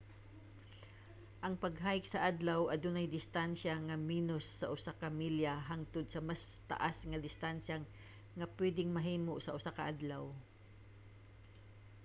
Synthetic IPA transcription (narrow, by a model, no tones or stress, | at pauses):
ʔɐŋpɐɡ̚ɦaːjɪk̚sɐʔad̪lawʔɐd̪ʊnɐjd̪ɪst̪anʃɐŋɐmiːnosːɐʔʊsakɐmiljaɦaŋt̪ʊd̪̚sɐmas | t̪ɐ̰ʔasŋɐd̪ɪst̪anʃa | ŋɐpwɛd̪ɪŋmɐɦiːmoʔsɐʔʊsakɐʔad̪law